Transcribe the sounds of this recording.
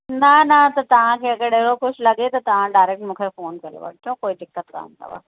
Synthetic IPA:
nɐnɐt̪ot̪ɐɦãkeɐɡəɾeːɾokʊt͡ʃʰlɐɡet̪ot̪ɐɦãɖaːɾeːk̚ʈmʊkʰəɾfoːnkɐɾḛʋa̰ːkjõːkoːid̪ɪkːət̪ka̰ːnt̪a̰ʋa̰ː

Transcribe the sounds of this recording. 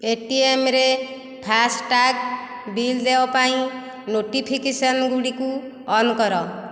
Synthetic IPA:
eʈiemɾe | pʰasʈak̚ | bild̪ebapaĩ | noʈipʰikesʌnɡuɽiku | ʌnkʌɾʌ

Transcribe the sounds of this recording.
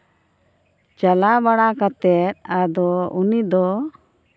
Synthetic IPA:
t͡ʃalabaɽakat̪ɛt̪̚ad̪ɔunid̪ɔ

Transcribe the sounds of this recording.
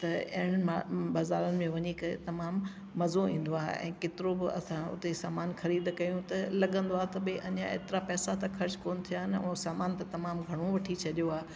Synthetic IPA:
t̪ɐɐɪɽ̃abɐzaːlənɪ̆mẽʋɐɲikɐḛt̪ɐmaːmː | ɐzoĩːn̆d̪oaːɦḛɛ̰̃ːkeːt̪ɪɾobɪɐ̰sãʊ̰t̪esaːmaːnxɐɾiːd̪kɐjũt̪ɐlɐɠə̃nd̪oaːɦet̪ɐbeʔɐɲã̰ḛːt̪ɪɾapɛːsat̪axʰɐɾt͡ɕkoːnt̪ʰijaːɦɪnũːsaːmaːnt̪ãt̪ɐmaːmɡʱɐɽ̃oʋɐʈʰit͡ɕʰɐʄjoaːe

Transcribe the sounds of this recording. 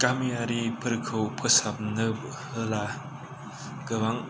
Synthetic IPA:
kamijaɾipʰɯɾkʰɯwpʰɯsap̚nɯp̚ | hɯla | ɡɯwaŋ

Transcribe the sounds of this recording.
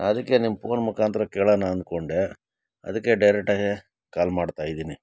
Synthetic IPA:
ɐd̪ɐkːe̞nimpo̞ːnmukʰaːnt̪ɾɐkeːɭɐnaːnd̪̚ko̞ɳɖe | ɐ̰d̪ɐkːe̞ɖɐjɾek̚ʈːaːɡi | kaːlmaːɖt̪aːjid̪iːni

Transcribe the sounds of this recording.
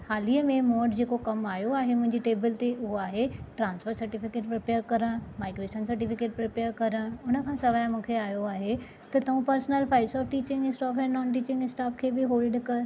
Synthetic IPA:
haːliəmẽmoːɖd͡ʑeːkokɐmaːjoaːɦemʊ̃ɦɪ̃ɲd͡ʑiʈeːbɪlt̪eʔʊɦoaːɦeʈɾãːnsfəɾsɐɾʈifɪkeːʈpɾɪpeːəɾkɐɾəɽmaːɪɡɾeːʃənsɐɾʈifɪkeːʈ̚pɾɪpeːəɾkɐɾəɽʊnə̆kʰãːsɐʋaːjãmũːkʰeaːjoaːɦe | t̪ɐt̪ɐʋũpɐɾsnəlfaːɪbsɔːfʈiːt͡ɕɪ̃ŋɡɪsʈaːfɛ̃ːnɔːnʈiːt͡ɕɪ̃ŋɡɪsʈaːfkʰeːbɪɦoːlɖkɐɾ

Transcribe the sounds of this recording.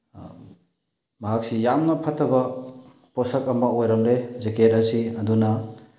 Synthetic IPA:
mɐɦak̚sijamnɐpʰɐtːɐbɐ | pɔsɐkɐmaojɾɐmlezeketɐsiɐdunɐ

